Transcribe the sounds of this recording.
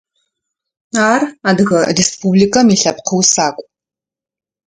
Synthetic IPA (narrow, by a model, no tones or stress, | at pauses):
aːraːdɣɐrespʰublikɐmiɬɐpqʰəwsaːkʷʼ